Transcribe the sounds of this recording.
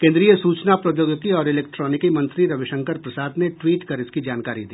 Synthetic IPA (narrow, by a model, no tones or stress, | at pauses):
kẽnd̪ɾijəsuːt͡ʃnapɾɐjoːɡəkiɔːɾɪleːk̚ʈɾɔːnɪkimɐ̃nt̪ɾiɾɐʋɪʃə̃ŋkəɾpɾɐsaːd̪neʈwiːʈkɐɾɪskid͡ʒaːnkaːɾid̪iː